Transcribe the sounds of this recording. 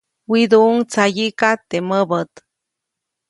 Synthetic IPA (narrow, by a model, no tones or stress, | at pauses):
wid̪uuŋt͡sajikat̪ːeməbət̪